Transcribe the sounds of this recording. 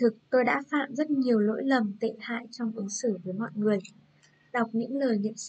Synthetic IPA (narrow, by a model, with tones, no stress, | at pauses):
t̪ʰɨ˨˩k̚t̪o˧jɗa̰ː˧˥fa̰ː˧˨mzə˦˥t̚ɲi˨˩əwlo̰˧˥jlə˨˩mt̪ḛ˧˨ha̰ː˧˨jt͡ɕɔ˧wŋ͡mʔɨ˨˦ŋsɨː˧˩vəː˨˦jmɔ̰˧˨jŋɨ˨˩əj | ɗa˨˩wk͡p̚ɲɨ̰˧˥ŋləː˨˩jŋḭ˧˨əms